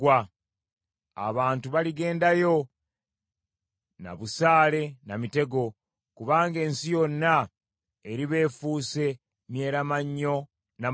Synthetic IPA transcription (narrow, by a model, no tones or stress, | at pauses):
wa | a̰βaːntuβaliɡe̞ːndajo̞ | na̰βusaːle̞namite̞ɡo̞ | kuβaːŋɡe̞ːnsijo̞nːa | eɾiβe̞ːfuːse̞ | nje̞ːɾamaɲːo̞ | na